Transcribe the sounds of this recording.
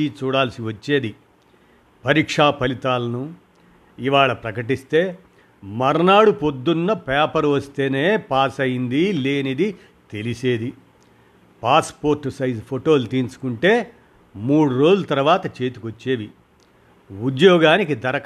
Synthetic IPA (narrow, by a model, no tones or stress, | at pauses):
it͡ʃuːɽaːlsiʋɐt͡ʃːe̞ːd̪i | pɐɾiːkʂaːpɐlit̪aːlɐnu | iʋaːɭɐpɾɐkɐʈ̬ist̪e̞ː | mɐɾɐnaːɽupo̞d̪ːunːɐpaːpɐɾʋɐst̪e̞ːne̞ːpaːsɐjind̪ileːnid̪i | t̪e̞lise̞ːd̪i | paːspoːɾʈsɐjd͡ʒpʰoʈo̞ːlt̪iːnsu̥kuɳʈe̞ː | muːɽuɾo̞ːd͡ʒlɐt̪ɐɾɐʋaːt̪ɐt͡ʃe̞ːt̪u̥kot͡ʃːe̞ːʋi | ud̪jɔːɡaːnikid̪ɐɾɐk